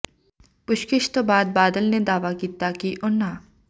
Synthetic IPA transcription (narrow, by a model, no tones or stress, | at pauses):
pʊʃkɪʃt̪obaːd̪̚baːd̪əlned̪aːʋakiːt̪akiʔʊna